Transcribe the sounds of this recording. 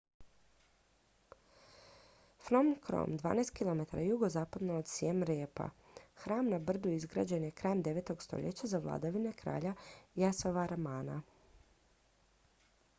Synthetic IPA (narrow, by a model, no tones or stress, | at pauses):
fɾomkɾo̰md̪ʋa̰ːnajst̪kilˠome̞t̪aɾajuɡozaːpad̪nood̪sjemɾeːpa̰xɾaːmnabr̩d̪uizɡɾa̰ːd͡ʑe̞njekɾaːmd̪e̞ʋet̪o̞ɡst̪o̰ʎet͡ɕazaʋlˠa̰d̪aʋine̞kɾa̰ːʎajasoʋaɾamaːna